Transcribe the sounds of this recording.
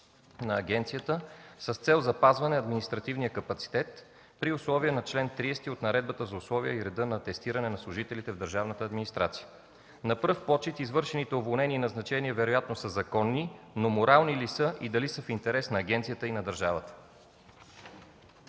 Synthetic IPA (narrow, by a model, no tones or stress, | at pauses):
nɐːɡʲɛnt̪sijət̪əsəst̪sɛlˠzɐpazvɐnɛɐd̪minist̪ɾɐt̪ivnijəkɐpɐt̪si̥t̪ɛt̪ | pɾiʊslˠɔviənɐt͡ʃlɛnt̪ɾiɛst̪iot̪nɐɾɛd̪̚bət̪əzɐʊslˠɔviə̰iɾɛd̪ɤnɐt̪ɛst̪iɾɐnɛnɐslˠʊʒit̪ɛlit̪ɛvd̪əɾʒavnət̪əːd̪minist̪ɾat̪si̥jə | nɐpɾɤfpɔt͡ʃit̪izvɤɾʃɛnit̪ɛovolˠnɛniːnɐznɐt͡ʃɛniɛvɛɾojat̪nosəzɐkɔnːinomoɾalˠnilisəʔid̪ɐlisəfint̪ɛɾɛsnɐːɡʲɛnt̪sijət̪əinɐd̪əɾʒavət̪ə̥